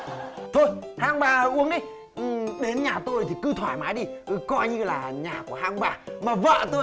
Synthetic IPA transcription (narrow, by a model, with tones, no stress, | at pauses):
t̪ʰo˧jhaː˧ŋɓaː˧˩ʔu˨˦əŋʔi˨˧˦j | ʔɗe˨˦nɲaː˨˩t̪o˧jt̪ʰi˨˩kɨ˧t̪ʰwaː˧˩jmaː˨˦jɗi˧ʔkɔ˧jɲɨ˧laː˨˩ɲaː˨˩ku˧˩əɦaː˧ŋɓaː˧maː˨˩və̰ː˧˨t̪o˧